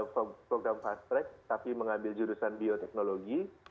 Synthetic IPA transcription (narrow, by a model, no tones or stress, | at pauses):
pɾoɡɾamfast̪ɾɛk̚t̪apiməŋambɪld͡ʒuɾusanbiot̪ɛk̚noloɡi